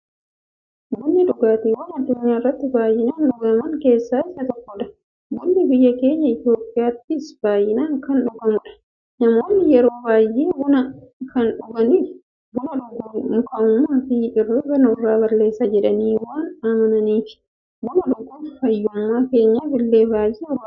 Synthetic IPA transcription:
ɡʊnːɪᶑʊɡaːt̪iwɐnɐd̪ːʊɲːaːɪrːɐt̪ːɪbaːjːɪnaːnᶑʊɡɐmɐŋke̞ːsːaːɪsɐt̪ɔkːɔᶑɐ̥ | ɡʊnːɪbɪjːɐke̞ːɲːɐɪt̪jo̞ːpʼːɪjaːt̪ːɪːsb̥aːjɪnaːŋkɐnᶑʊɡɐmʊᶑɐ̥ | nɐmo̞ːnːɪjɛɾo̞ːbaːjːʔeːɡʊnɐkɐnᶑʊɡɐni | ɡʊnɐᶑʊɡʊkɐʊmːaːfiːʔɪriːɡɐnɐʊrːaːbɐɾle̞ːsːɐd͡ʒɛᶑɐniːwaːnɐmɐnɐniːfɪ̥ | ɡʊnɐᶑʊɡːʊːnfɐjːʊmːaːke̞ːɲːaːbɪlːe̞ːbaːjʔeɾ

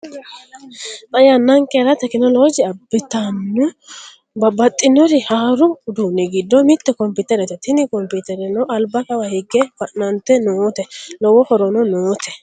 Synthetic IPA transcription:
ʔɐjanːɐŋkɛɾɐt̪ɛkɪnɔloːd͡ʒɪɐbːɪt̪anːʊ | bɐbɐt̪ʼːɪnɔɾɪhaːɾʊd̪uːnːɪɡɪd̪ːɔmɪt̪ːɛkɔmpɪt̪ɛɾɛt̪ɛt̪ɪnɪkɔmpɪt̪ɛɾɛnɔʔɐlbɐkɐwɐhɪɡːɛfɐʔnɐnt̪ɛnoːt̪ɛlɔwɔhɔɾɔnɔnoːt̪ɛ̥

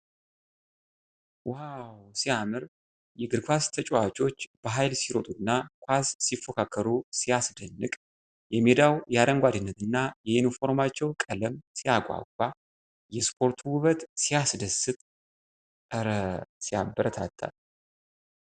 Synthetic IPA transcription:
wawsijamɨɾ | jɛɡɨɾɡfast̪ʰət͡ʃʼowat͡ʃʼo̞t͡ʃːb̥əɦajlsiɾo̞t̪ʼuɨnːakʷʰassifːokʰakʰːəɾusijasd̪ənːɨkʼ | jɛmed̪awjɛad̪əŋɡʷad̪ɨnːət̪ɨnːajɛɪnfo̞ɾmat͡ʃːɛwkʼələmsijakʷʼa̰kʷʼːa | jɛspʰo̞ɾt̪ʰuwʊβət̪sijasd̪əsɨt̪ʼ | əɾəsija̰bːəɾət̪ʰat̪ʰːa̰l

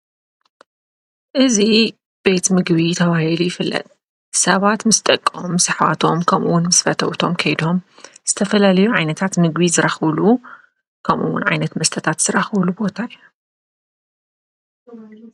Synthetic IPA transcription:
ʔɨzi | b̥e̞t̪mɨɡβit̪ʰɐβahilujɪfɨlːɐ̰t̪ʼ | sɐβat̪mɨst̪ʼɐkʼːomːsaħwa̰t̪ʰo̞mkʰɐmʔuwʊnmɨsfɐt̪ʰɐ̰wt̪ʰo̞mkʰɐjd̪o̞m | z̥ɨt̪ʰɐfɐlalɐjuʕajnɐt̪ʰat̪mɨɡβizɨɾaxβlu | kʰɐmʔṵwʊ̰nʕa̰jnɐt̪mɐst̪ʰɐt̪ʰat̪z̥ɨɾaxβlubo̞t̪ʰaɨju

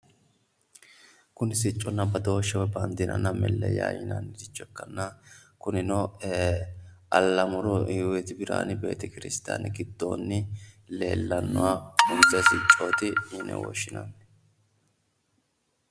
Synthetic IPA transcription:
kʊnɪsɪt͡ʃʼːɔnːɐbɐd̪o̞ːʃːɛwɛbɐnd̪ɪnɐ̰nːɐmɛlːɛ̰ja̰ːjɪ̰nɐ̰nːɪd̪ɪt͡ʃʼːɛkːɐnːɐkʊnɪnɔ | ʔɐlːɐmʊɾɔɪwɛt̪ɪbɪɾa̰ːnɪbe̞̰ːt̪ɛkɪɾɪst̪a̰ːnɪɡɪd̪ːo̞̰ːnːɪle̞ːlːɐnːɔwaːʊnzɛsɪt͡ʃʼːo̞ːt̪ɪɪnːɛ̰wɔ̰ʃːɪnɐ̰n

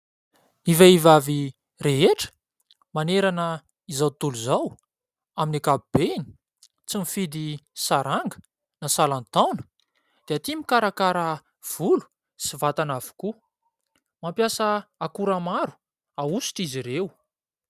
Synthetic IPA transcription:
niveivavi | reɦeʈ͡ʂə̥ | maneɾanə | izawt̪uluzaw | aminakabub̥eni̥ | t͡simifid̪isaɾaŋɡə̥ | nasalant̪awnə̥ | d̪̥eat̪imikaɾakaɾə | v̥ulu̥ | sivat̪anavu̥ku | mampjasəakuɾamaɾu̥ | ausi̥ʈ͡ʂiziɾew

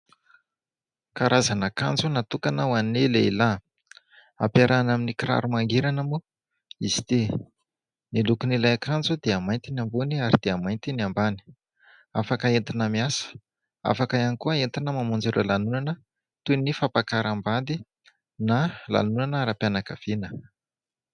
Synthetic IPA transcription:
kaɾazanaka̰nd͡zunat̪ukanawanneleila | a̰pjaɾanaminikiɾa̰ɾumaŋɡeɾanəmu | izid̪e | nilukunilajakand͡zud̪eamajnt̪inamboniaɾid̪̥eamajnt̪iniambani̥ | afakəent̪inəmiasə̥ | a̰fakaanikuəent̪inəmamund͡zeɾə̰lanunanə | t̪unifapakaɾambad̪i | nala̰nunanaɾapjanakav̥enə

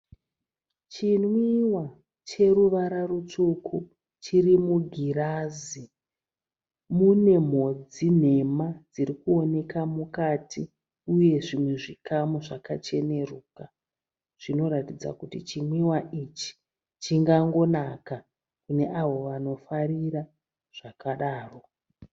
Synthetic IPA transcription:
t͡ʃinwiwa | t͡ʃe̞ɾuʋaɾarut͡ʂukʰu | t͡ʃiɾimuɡʱiɾaːzi | mune̞m̤o̞d͡zin̤e̞mad͡ziɾikuo̞ne̞kamukatʰi | uje̞ʐimweʐikamuʐakat͡ʃe̞neruːka | ʐ̥ino̞ɾatid͡za̰kutit͡ʃimwiwaʔit͡ʃi̥ | t͡ʃiŋɡaŋɡo̞naka | kune̞ʔaʋo̞ʋano̞fariɾa | ʐ̥akaɗaːro̞

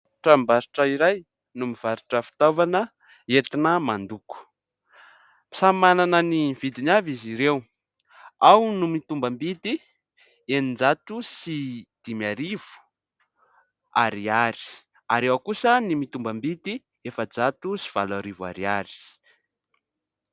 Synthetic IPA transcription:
ʈ͡ʂambaɾiʈ͡ʂəiɾaj | numiv̥aɾiʈ͡ʂəfi̥t̪avanə | et̪inəmand̪uku̥ | mi̥samananənivid̪inaviziɾew | awnumit̪umbambit̪i | enind͡ʒat̪usid̪̥imiaɾiv̥u̥ | a̰ɾiaɾi̥ | aɾewakusənimit̪umbambit̪i | efəd͡zat̪usi̥v̥alaɾiva̰ɾiaɾi̥

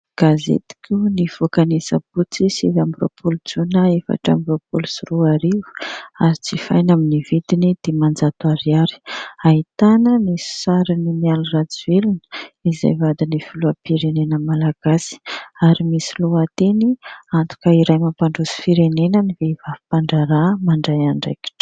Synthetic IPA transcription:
ɡ̥azḛt̪i̥kʲʰuniv̥okanesəput͡sisivambɾo̰pulut͡sunaefa̰ʈ͡ʂa̰mbɾopulusiruaɾivu̥aɾit͡sifa̰jnaminivid̪inid̪̥emand͡zat̪uaɾiaɾi̥aɦit̪anənissaɾinimialurad͡zuelunə̥izḛjvad̪inifiluəpiɾenenəmalaɡ̥asi̥aɾimisiluat̪eniant̪u̥kəiɾajmampaɳɖ͡ʐuzi̥fiɾenenənivevavipaɳɖ͡ʐaɾamaɳɖ͡ʐajaɳɖ͡ʐḛki̥ʈ͡ʂ

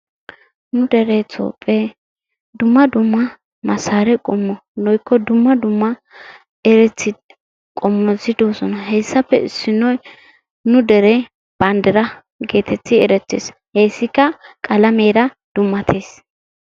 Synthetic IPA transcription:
nʊd̪ɛɾɛt͡sʼo̰ːpʼːɛ | d̪ʊmːɐd̪ʊmːɐ | mɐsaːɾɛkʼɔmːɔnɔjkːɔd̪ʊmːɐd̪ʊmːɐ | ɛɾɛt͡sːɪ | kʼɔmːɔzɪd̪oːsɔnɐɦɛjsːɐpːɛ̰ɪsːɪnɔj | nʊd̪ɛɾɛ | b̥ɐnd̪ɛɾɐ | ɡe̞ːt̪ʰɛt͡sːɪɛɾɛt͡sːḛːs | hejsːɪkːɐkʼɐlɐmeːɾɐ | d̪̥ʊmːɐt̪ʰeːs

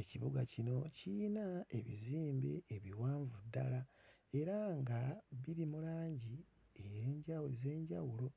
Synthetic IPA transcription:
e̞ciβuɡacino̞cinae̞βiziːmbe̞ːβiwaːɱvudːalae̞ɾaŋɡaβiɾimulaːɲɟi | ejeːɲɟaweze̞ːɲɟawulo̞

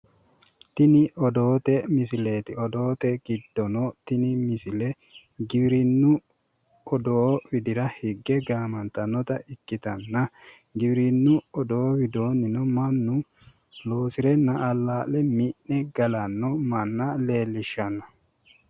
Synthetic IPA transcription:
t̪ɪnɪʔɔd̪o̞ːt̪ɛmɪsɪleːt̪ɪɔd̪oːt̪ɛɡɪd̪ːɔnɔt̪ɪnɪmɪsɪlɛ | ɡɪbɾɪnːʊ | ɔd̪oːwɪd̪ɪɾɐhɪɡːɛɡaːmɐnt̪ɐnːɔt̪ɐɪkːɪt̪ɐnːɐ | ɡɪbɪɾɪnːʊɔd̪oːwɪd̪o̞ːnɪnɔmɐnːʊ | lo̞ːsɪɾɛnɐʔːlːaːlɛmɪnnɛɡɐlɐnːɔmɐnːɐle̞ːlːɪʃːɐnːɐ

